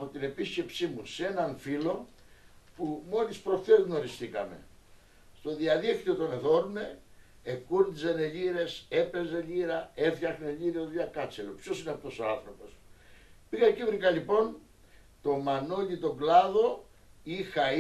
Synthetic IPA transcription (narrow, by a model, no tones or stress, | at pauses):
ɐpot̪ine̞pisce̞psimuse̞nɐnfilo̞ | pumo̞lispɾo̞ft̪ezno̞ɾist̪ikɐ̰me̞̰ | st̪o̞ðiɐðixt̪io̞t̪o̞neðo̞ɾme̞ | ekuɾzeneʎiɾe̞se̞pe̞zeʎiɾɐe̞fçɐxneʎiɾiot̪ʎɐkɐt͡selopço̞sineɐpt̪o̞soɐnθɾo̞po̞s | piɣɐcivɾikɐʎipo̞n | t̪o̞mɐno̞ʎit̪o̞ɡlɐðo̞ | ixɐ